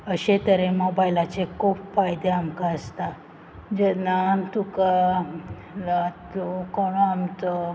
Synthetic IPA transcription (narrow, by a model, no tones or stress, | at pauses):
əɕẽt̪əɾẽmɔbajlat͡sekʰupfajd̪eamkaəst̪a | d͡ʑɛnat̪uka | at̪ukɔɽ̃oamt͡sə